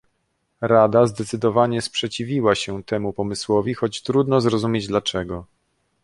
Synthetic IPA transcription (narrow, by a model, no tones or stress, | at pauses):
ɾad̪azd̪ɛt̪sɘd̪ɔvaɲɛspʂɛt͡ɕivʲiwaɕɛt̪ɛmupɔmɘswɔvʲixɔt͡ɕt̪ɾud̪nɔzɾɔzumʲjed͡ʑd̪lat͡ʂɛɡɔ